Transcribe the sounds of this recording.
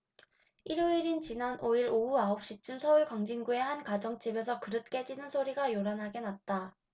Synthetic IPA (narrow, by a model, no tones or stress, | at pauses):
iɾjoiɾint͡ɕinanʔoiɾouaop̚ɕ͈it͡ɕ͈ɯmsʰʌuɭkwaŋd͡ʑiŋɡue̞hankad͡ʑʌŋt͡ɕ͈ibe̞s̬ʰʌkɯɾɯt̚k͈e̞d͡ʑinɯnsʰoɾiɡajoɾanɦaɡe̞nat̚t͈a